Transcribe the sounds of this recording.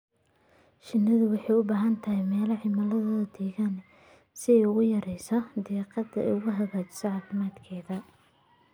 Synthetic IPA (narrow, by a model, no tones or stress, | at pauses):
ʃɪnːɐðʊwɑħɑjʊbaːɦɐnt̪ʰɐɦɛjmɛːlɐħɪmɐlɐðɔːðɐd̪̥ɛːɣanɛ | sɪɛjʊɣʊjɐɾɛjsɔd̪ɛːqɑd̪ɐʔɛ̰ʊɣʊɦɐɣaːt͡ʃɪ̥sɐʕɑːfɪmaːd̪kʰɛːðɐ